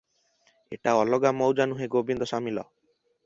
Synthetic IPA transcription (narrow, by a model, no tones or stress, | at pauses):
ḛʈaɔlɔɡamowd͡ʒanuɦeɡobind̪ɔʃamilɔ̰